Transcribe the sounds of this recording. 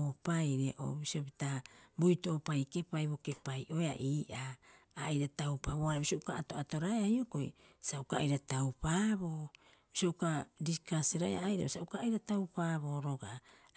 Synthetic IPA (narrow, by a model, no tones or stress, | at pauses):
opajɾeʔo̰bisiopitabujtoʔːpajke̞pajboke̞pajʔo̞ea̰ʔiːʔaː | jɾatawpaβoaɾabisioukaato̞ato̞ɾaeahjoko̞j̰saukaːjɾatawpaːβo̞ː | bisioukadikaseɾaeʔa̰jɾa̰bosaukaːjɾatawpaːβo̞ːɾo̞ɡa